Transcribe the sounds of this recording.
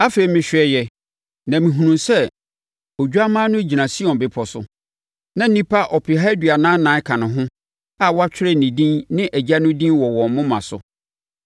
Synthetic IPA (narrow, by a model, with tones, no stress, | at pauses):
a˦fe˨i˨˦mɪ̃˨ɕᶣɪ˨ɛ˦jɛ˨ | nã˨mĩ˨ɦũ˨nũ˨nsɛ˦ | o˨d͡ʑᶣu˦a˦mã˦nʊ̃˦d͡ʑi˨nã˨si˦ɔ̃˨nbɪ˨˦pʰɔ˨sʊ̰˨ | nã˨˦n˦nĩ˦pʰa˦ʔɔ˨pʰɪ˨ɦa˦dɥa˨nãː˦nã˨˦kʰã˨nʊ̃˨ɦʊ̃˦ | a˦˨wɔ˦a˦t͡ɕʰᶣɪ˦ɾɛ˦nĩ˨dĩ˦nnɪ̃˦ʔæ˨d͡ʑa˦nʊ̃˦dĩ˦wɔ˨wɔ̃˨mmʊ̃˦mã˨sʊ̰˨